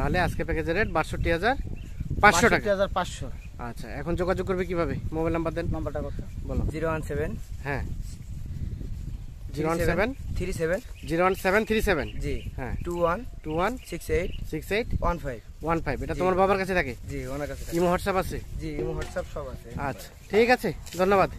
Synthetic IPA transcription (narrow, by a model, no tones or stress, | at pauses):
t̪aɦoleaskepɛked͡ʑeɾeʈbaɾsoʈːiɦad͡ʑaɾ | pãʃoʈakaiɦaaɾpaʃo | a̰tːɕʰa̰ɛ̰kʰond͡ʑoɡad͡ʑoɡ̚kːoɾbek̬ibʱabemobajlnambaɾd̪ennambaʈakɔt̪ʰabɔlo̰d͡ʑiɾowansebenɦɛ̃ | d͡ʑiɾowansebent̪ʰiɾisebend͡ʑiɾowansebent̪ʰiɾisebend͡ʑiɦɛ̃ʈuwanʈuwansiksejʈsiksejʈwanfʰajbwanfʰajbeʈat̪omaɾbʱabaɾkat͡ɕʰet̪ʰaked͡ʑionaɾkat͡ɕʰe̥aimoɦɔʈsabat͡ɕʰed͡ʑiimuɦɔʈsabʃɔbasʰeaːḁ | ʈʰikat͡ɕʰed̪ʱonːobad̪